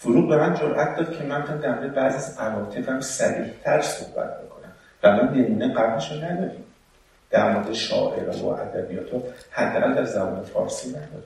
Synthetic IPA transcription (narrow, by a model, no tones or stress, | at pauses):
foɾuːd̪̚be̞mænd͡ʒoɾʔæt̪̚ʰd̪ɒːd̪̥̚cʰe̞mænmixand̪æɾmoːɾd̪ebæːziæzmævɒːt̪ʰefæmsæɾiːht̪ʰæɾso̰hbæ̰t̪̚ʰbikʰo̞næm | væmɒnemiːneɢæbleʃonæd̪ɒːɾiːm | d̪̥æɾmoɾd̪eʃɒ̰ːʔeɾejo̰ʔæ̰d̪æbijɒ̰ːt̪ʰohæd̪ːæːɣæld̪æɾzæbɒ̰ːne̞fɒ̰ːɾsiːnæd̪ɒːɾi